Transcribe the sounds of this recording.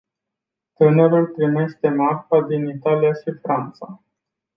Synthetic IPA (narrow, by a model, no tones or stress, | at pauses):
t̪ɨnəɾult̪ɾime̞ʃt̪e̞marfad̪init̪alijaʃifɾant̪sa